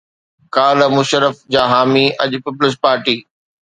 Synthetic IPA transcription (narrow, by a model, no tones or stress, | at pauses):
kaːləmʊʃəɾəfd͡ʑaːɦaːmiʔɐʄʊpɪpləs̬paːɾʈiː